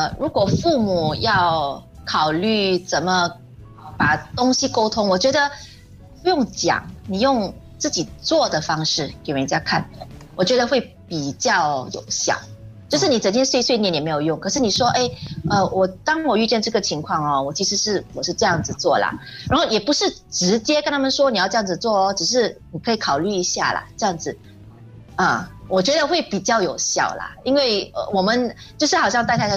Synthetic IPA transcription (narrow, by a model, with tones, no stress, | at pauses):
ə˧ɻu˧˥kwɔ˨˩fu˥˩mu˨˩jɑ˥˧ʊ | kʰɑ˨˩ʊly˥˩t͡sə˨˩nmə˧˨ | pa˨˩t̪ʊ˥ŋɕi˧˥ko˥ʊt̪ʰʊ˥ŋwɔ˨˩t͡ɕɥɛ˧˥d̪ə˧ | pu˥jʊ˥˩ŋt͡ɕjɑ̰˨˩˦ŋni˨˩jʊ˥˧ŋ | t͡sɹ̩˥˩t͡ɕi˨˩t͡swɔ˥˩d̪ə˩fɑ˥ŋʂɻ̩˥˩ke˨˩ɪwə˧n˥t͡ɕja˥kʰa˥˩n˩wɔ˨˩t͡ɕɥɛ˧˥d̪ə˧xwe˥˩ɪ | pi˨˩t͡ɕjɑ˥˩ʊjo̰˨˩ʊɕjɑ̰˨˩˦ŋt͡ɕjo˥˧ʊʂ̬ɻ̩˥˩n˨˩t͡sə˨˩nt͡ɕjɛ˥nswe˥˧ɪswɪnjɛ˧˥njme˧˥ɪjo˨˩ʊjʊ˥˩ŋkʰɤ˩ʂɻ̩˥˩ni˨˩ʂwɔ˥ʔe˥˩ɪə˧wɔ˨˩t̪ɑ˥ŋwɔ˨˩y˥˧t͡ɕjɛ˥˧nʈ͡ʂɤ˥˩ɡə˩t͡ɕʰi˧˥ŋkʰwɑ˥˩ŋɔ˩wɔ˨˩t͡ɕʰi˧˥ʂɻ̩˧˥ʂɻ̩˥˩wɔ˨˩ʂɻ̩˥˧ʈ͡ʂɤ˥˧jɑ˥˩ŋd͡zɹ̩˨˩t͡swɔ˥˩lə̰˩ɻa̰˧˥nxo˥˩ʊjɛ˨˩pu˧˥ʂɻ̩˥˩ʈ͡ʂɻ̩˧˥t͡ɕjɛ˥knt̪ʰa˥mə˨nʂwɔ˥ni˨jʊʈ͡ʂɤ˧jɑ˥˩ŋd͡zɹ̩˨˩t͡swɔ˥˩ɔ˦ʈ͡ʂɻ̩˨˩ʂ̬ɻ̩˥˩ni˨˩kʰɤ˧˥i˧˥kʰɑ˨˩ʊly˥˩i˧˥ɕja̰˥˩lə̰˩ʈ͡ʂɤ˥˧jɑ˥˩ŋd͡zɹ̩˨˩ | ə˩wʔɔ˨˩t͡ɕɥɛ˧˥d̪ə˧xwe˥˩ɪpi˨˩t͡ɕjɑ˥˩ʊjo˨˩ʊɕjɑ̰˥˩ʊlə̰˩i˥nwe˥˩ɪə̰˧wɔ˨˩mə˨˦nt͡ɕjʂɻ̩˥˩xɑ˨ʊɕjɑ˥˧ŋt̪kʰɪ˥